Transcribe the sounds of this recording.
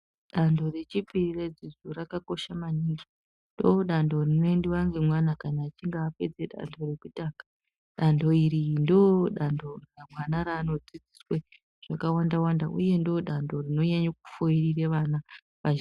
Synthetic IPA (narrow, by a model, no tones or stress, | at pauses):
ɗando̞re̞t͡ʃipirired͡zizuɾakako̞ʃamaniŋɡi | ndoɗando̞rinondiʋaŋɡe̞mwanakanaːt͡ʃiŋɡaːpe̞d͡zeɗa̰ndʱo̞re̞kutaːkḁ | ɗando̞iɾindoɗandʱo̞ramwanaɾaːno̞d͡zid͡ziswe | ʐ̥akawandawandaʔṵje̞ndo̞ɗando̞rino̞ɲaɲak̚u̥foirireʋana | ʋa